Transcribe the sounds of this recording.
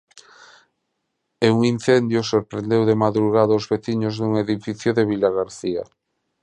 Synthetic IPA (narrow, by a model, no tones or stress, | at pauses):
euŋin̟θend̪josoɾpɾend̪ewðemaðɾuɣaðoozβeθiɲozðuŋeðifiθjoðeβilaɣaɾθia